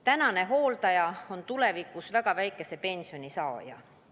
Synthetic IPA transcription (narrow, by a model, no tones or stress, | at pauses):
t̪ænɑne̞ɦo̞ːlt̪ɑjɑo̞nt̪ulevikːˑusvæɡ̥ɑvæjkːˑe̞se̞pe̞nʲsio̞nʲisɑojɑ̰